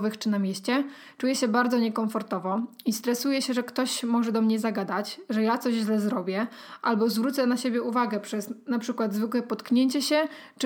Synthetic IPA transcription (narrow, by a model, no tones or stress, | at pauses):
vɘxt͡ʂɘnamʲjeɕt͡ɕɛ | t͡ʂujɛɕɛbaɾd̪zɔɲɛkɔɱfɔɾt̪ɔvɔist̪ɾɛsujɛɕɛʐɛkt̪ɔɕmɔʐɛd̪ɔmɲɛzaɡad̪at͡ɕʐɛjat̪sɔʑʑlɛzɾɔbʲjɛʔalbɔzvɾut̪sɛnaɕebʲjɛuvaɡɛpʂɛsnapʂɘkwad̪zvɘkwɛpɔt̪kɲeɲt͡ɕɛɕɛt͡ʂ